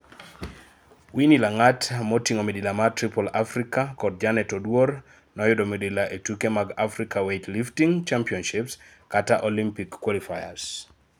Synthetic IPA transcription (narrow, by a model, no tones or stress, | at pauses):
winilaŋatmotiŋomedilamatɾipolafɾikakɔd̚d͡ʒanɛtɔdwor | nɔjɔdomedilaʔetukemaɡafɾikawetliftiŋt͡ʃampiɔnʃips | kataʔolimpikːwɔlifaja̰s